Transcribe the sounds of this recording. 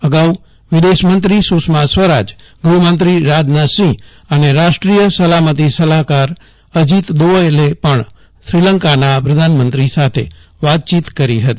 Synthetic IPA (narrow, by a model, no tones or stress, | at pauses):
əɡau | ʋid̪eʃmənt̪ɾisusmasʋəɾad͡ʒ | ɡɾumənt̪ɾiɾad͡ʒnasĩ | əneɾaʃʈɾijəsəlamət̪̬isəlakaɾ | əd͡ʒit̪d̪oəelepəɳ | sɾiləŋkanapɾəd̪ʱanmənt̪ɾisat̪ʰḛʋat̪̚t͡ʃit̪kəɾiɦət̪i